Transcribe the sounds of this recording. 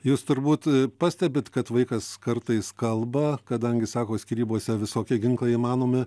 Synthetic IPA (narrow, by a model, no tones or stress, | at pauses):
juːst̪ʊɾbuːt̪pɑːsʲt̪ʲɛbʲɪt̪kɐt̪ʋɐɪkɐskɐrt̪ɐɪskɐlˠbɐkɐd̪ɐŋʲɡʲɪsɑːkoːsʲkʲɪɾʲiːboːsʲɛʋʲɪsoːkʲɪɡʲɪŋklˠɐimɑːnoːmʲɪ